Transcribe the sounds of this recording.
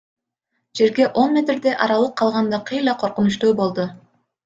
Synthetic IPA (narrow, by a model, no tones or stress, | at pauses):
d͡ʒe̞ɾɡe̞ʔo̞nmʲe̞t̪ɾd̪e̞ʔɑɾɑlˠɯqʰːɑlˠʁɑnd̪ɑqʰɯjlˠɑqʰoɾqunuʃt̪uːbo̞lˠd̪ʊ